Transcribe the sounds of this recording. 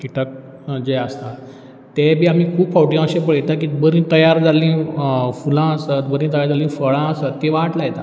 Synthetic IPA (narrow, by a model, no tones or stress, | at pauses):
kiʈak̚ | d͡ʑeəst̪a | t̪ebʱiːam̤ikʰuːbfɔwʈĩjãɕẽpəɭit̪ak̬iːbəɾĩːnt̪əjaɾd͡zalĩfulãəsət̪bəɾĩːnt̪əjaɾd͡zalĩːfəɭãəsət̪ːeʋaʈlajt̪a̰